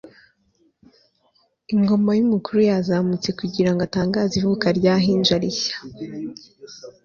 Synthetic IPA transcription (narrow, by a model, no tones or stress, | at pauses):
iŋɡo̞majumukuɾujazamut͡se̞kuɟiɾaŋɡataːŋɡaːzivukaɾɟaːɦiːnd͡ʒaɾiçḁ